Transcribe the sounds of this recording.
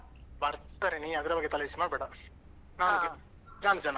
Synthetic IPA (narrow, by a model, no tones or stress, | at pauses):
bɐɾt̪aɾeniɐd̪ɐɾɐbɐɡːet̪ɐlɐismaːɽbɛːɽɐ | naːn | d͡ʒaːnd͡ʒana